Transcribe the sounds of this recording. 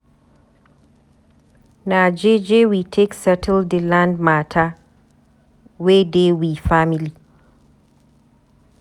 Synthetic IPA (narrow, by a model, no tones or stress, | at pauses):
nad͡ʒed͡ʒewitʰeksɛtʰəldilãndmatʰa | wedewifamili